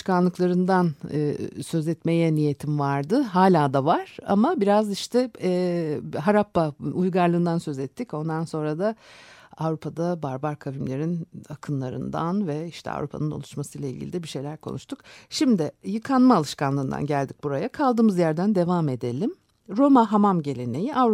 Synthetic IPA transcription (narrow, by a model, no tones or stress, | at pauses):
ʃkanlˠɯklˠaɾɯnd̪an̰ | sø̞zɛt̪me̞jɛnije̞t̪ʰimvaɾd̪ɯɦaːlʲaːd̪avaɾ̥a̰mabiɾaziʃt̪ʰɛ | ɦaɾapːaujɡaɾlˠɯːnd̪ansø̞zɛt̪ʰːico̞nd̪anso̞nɾad̪aavɾupʰad̪abaɾbaɾkʰabimlʲe̞ɾinakʰɯnlˠaɾɯ̰nd̪a̰nvɛiʃt̪ʰɛ̰a̰vɾupʰa̰nɯno̞̰lˠuʃmasɯjlˠailʲɟʲilʲid̪ɛbiʃe̞jlʲæɾkʰo̞̰nṵʃt̪ʰukʃimd̪ɪjɯkʰanmaːlˠɯʃkanlˠɯːnd̪a̰nɟælʲd̪ic̚buɾajakʰalˠd̪ɯmɯzjæɾd̪ænd̪e̞vaːme̞d̪e̞lʲim | ɾo̞maɦamamɟe̞lʲe̞ne̞jiʔavɾ